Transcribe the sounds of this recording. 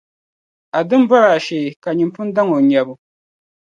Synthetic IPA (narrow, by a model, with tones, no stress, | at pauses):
a˨dɨ˦m˦ba˦ɾa˨ʃe˨ka˨ɲi˨mpʊ˦n˦da˦ŋo˨ɲɛ˨bʊ˨